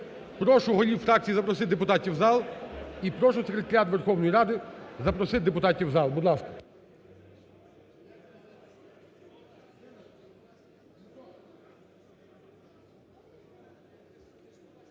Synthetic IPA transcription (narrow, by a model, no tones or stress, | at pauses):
pɾɔʃʊɦɔlʲiwfɾɑk̚t͡sʲijizɐpɾɔsɪt̪d̪epʊt̪ɑtʲiwzɑlˠipɾɔʃʊsekɾʲet̪ɐɾʲat̪ʋerxɔwnɔjiɾɑd̪ɪzɐpɾɔsɪt̪̚d̪epʊt̪ɑtʲiwzɑlˠbʊd̪lˠɑskɐ̥